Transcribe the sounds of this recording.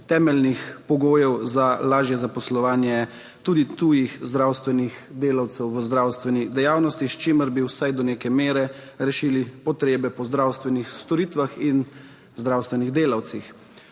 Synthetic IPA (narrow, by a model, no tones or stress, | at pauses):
t̪ɛːmɛlnixpɔɡoːjɛwzalaːʒjɛzapɔslɔʋaːnjɛ | t̪uːd̪it̪uːjixzd̪ɾaːwst̪ʋɛnixd̪eːlawt̪sɛwʋəzd̪ɾawst̪ʋɛnid̪ɛjaːwnɔst̪iʃt͡ʃiməɾbiwsajd̪ɔneːkɛmeːɾɛ | ɾɛʃiːlipɔt̪ɾeːbɛpɔzd̪ɾawst̪ʋɛnixst̪ɔɾiːt̪ʋaxin | zd̪ɾaːwst̪ʋɛniɣd̪eːlawt̪six